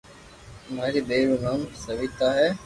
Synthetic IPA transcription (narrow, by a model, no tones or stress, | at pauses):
maːɾiːdeːɾuːnaːmsəʋiːt̪aːɦɛː